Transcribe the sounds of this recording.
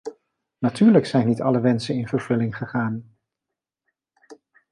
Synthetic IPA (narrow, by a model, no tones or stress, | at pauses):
natyːɹləksɛjnitɑləʋɛnsənɪnv̥əɹv̥ɵlɪŋχəχaːn